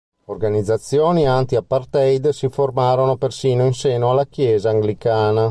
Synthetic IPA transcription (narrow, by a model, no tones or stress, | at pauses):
orɡanid̪zːat̪sːjoːniant̪iapːart̪ɛjd̪siformaːɾonopersiːnoinsɛːnoalːak̟jɛːzaːŋɡlikaːna